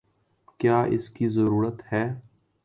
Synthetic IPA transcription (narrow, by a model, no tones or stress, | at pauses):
kjaːʔɪ̰skizɐɾuːɾət̪hɛː